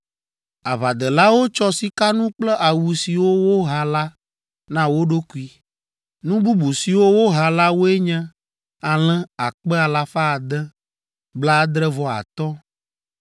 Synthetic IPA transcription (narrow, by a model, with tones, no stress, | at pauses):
a˨βa˨d̪ɛ˨la˦wo˦t͡ʃɔ˦si˨ka˦nũ˦k͡plɛ˦ʔa˨wu˨si˨wo˦wo˦ɦa˨la˦ | nã˦wo˦ɖo˦ku˦i˦ | nũ˦bu˦bu˨si˨wo˦wo˦ɦa˨la˦wo˦ɛ˦ɲɛ̃˦ | a˨l̃ɛ̃˦a˨k͡pɛ˦a˨la˨fa˦˨d̪ɛ˦ | bla˦d̪ɾɛ˦vɔ˨a̰˨t̪ɔ˦